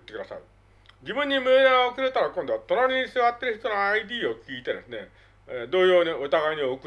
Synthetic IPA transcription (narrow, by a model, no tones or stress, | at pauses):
t̪ːekɯd̪asa̰ɯ | d͡ʑibɯ̟̃ɲ̟ːimɯed̪eɾaokiɾet̪aɾakõnd̪o̞βat̪o̞naɾʲiɲisɨβat̪ːe̞ɾɯçi̥t̪o̞noaid̪ʲiːo̞kʲiːt̪e̞d̪e̞sɨne̞ | ed̪o̞ːjo̞ːnʲiot̪aɡaiɲ̟iokɯ